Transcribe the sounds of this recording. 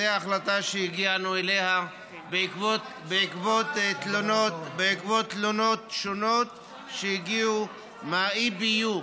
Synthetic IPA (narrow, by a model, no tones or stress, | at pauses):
eaːχlat̪aʃejiɡianueleha | bekot | beikvotet̪lonotbeikvot̪lono̞t̪ʃonot̪ | ʃejiɡiu | maibiju